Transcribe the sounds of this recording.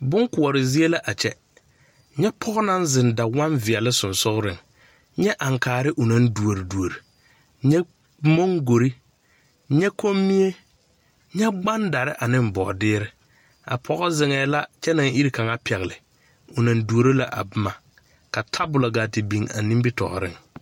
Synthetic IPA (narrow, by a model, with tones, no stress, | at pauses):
bʊ˦ŋkʊ˨ɔ˨ɾɪ˨zi˦e˦la˦ʔa˨t͡ʃɛ˦ | ɲɛ˦pʰɔ˦ɣɔ˦na˦nzɪ˨nda˨wa˦nvɪ˨a˨lɪ˦sʊ˨nsʊ˦ɣʊ˦ɾɪ˨ŋ | ɲɛ˦ʔa˨ŋkaː˨ɾɪ˦ʔʊ˨na˦ndu˨o˨ɾi˨du˨o˨ɾi˨ | ɲɛ˦ | mo˦ŋɡo˨ɾi˦ | ɲɛ˦kʰo˦mːi˦e˦ | ɲɛ˦ɡ͡ba˦nda˨ɾɪ˦ʔa˨nɪ˦m˨bɔ˨dɪː˦ɾɪ˦ | a̰˨pʰɔ˨ɣɔ˦zɪ˨ŋɛː˨la˦t͡ʃɛ˦na˨ŋi˦ɾi˦ka˨ŋa˦pʰɛ˨ɣlɪ˨ | ʊ˨na˨ndu˨o˨ɾi˦la˨ʔa̰˨bʊ˦ma˨ | ka˨tʰa˦bʊ˨la˨ɡa˨ti˨bi˨ŋa̰˨ni˦bi˦tɔ̰˨ɾɪ̰˦ŋ